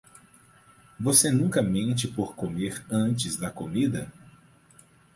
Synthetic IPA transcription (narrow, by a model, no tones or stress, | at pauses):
vosenũkɐmẽt͡ʃɪpoɾkomeɾɐ̃t͡ʃɪzd̪ɐkomid̪ɐ